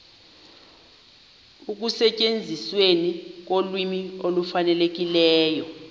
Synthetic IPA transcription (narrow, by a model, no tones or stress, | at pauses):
uk̬usɛcʼend͡zʱiswenik̬olwimiolufanɛlek̬ilɛːjɔ